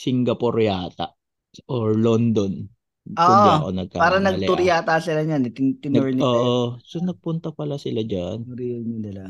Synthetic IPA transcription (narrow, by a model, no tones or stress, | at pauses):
sɪŋɡɐpoɾjaːt̪ɐ̰ | ʔoɹlond̪on | oːʔʔo̰nɐɡ̚ka̰paːɾɐnɐɡ̚lɛʊɾjaːt̪ɐsɪlɐɲanɪt̪ɪt̪ɪnɛɹnoːʔosonɐɡ̚pʊnt̪ɐpɐlasɪlad͡ʒanʊɾimɐnɐlɐ